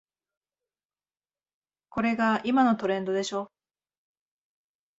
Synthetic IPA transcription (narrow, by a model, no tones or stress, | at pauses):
ko̞ɾe̞ɡaimano̞t̪o̞ɾẽ̞nd̪o̞d̪e̞ɕo̞ː